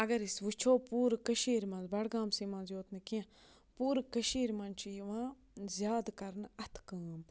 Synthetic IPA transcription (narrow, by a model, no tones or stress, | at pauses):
ɐɡɐɾisʋut͡ʃʰoːpuːɾkəʃiːɾmɐ̃nzbɐɽɡãːmsiːmãnzjoːt̪ʰnɨkiẽ | puːɾkəʃiːɾmɐnt͡ʃʰiiʋãː | zjaːd̪kɐɾnɐt̪ʰkəm